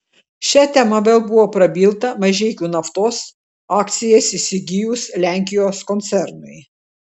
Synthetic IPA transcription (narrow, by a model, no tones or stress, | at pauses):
ʃʲɛt̪ʲɛmɐʋʲeːlˠbʊʋoːpɾɐbʲiːlˠt̪ɐmɐʒʲɛɪkʲuːnɐft̪oːs | ɑːkt̪sʲɪjɛːsɪsʲɪɡʲɪjʊslʲæˑŋʲkʲɪjoːskɔnt̪sʲɛɾnʊɪ